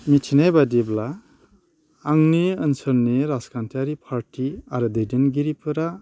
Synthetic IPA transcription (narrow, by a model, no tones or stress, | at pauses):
mitʰinajbadibla | ŋniənsəɾneɾaskʰantʰaɾipʰaɾtʰiaɾɯdɯjdinɡiɾipʰɯɾa